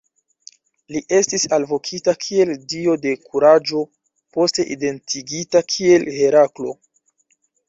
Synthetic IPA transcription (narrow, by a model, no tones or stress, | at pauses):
liʔe̞stisalvo̞kʰitakʰie̞ldio̞de̞kʰuɾad͡ʒo̞ | po̞ste̞ʔide̞ntʰiɡitakʰie̞lhe̞ɾaklo̞